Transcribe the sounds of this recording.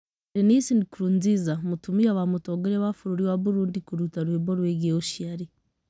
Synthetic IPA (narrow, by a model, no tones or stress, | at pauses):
ɾinisindikuɾuːnzizamutumiaβamutoɡeɾeβafuɾuɾiwaβuɾuːndikuɾutaɾweβoɾweɡeoʃiaɾi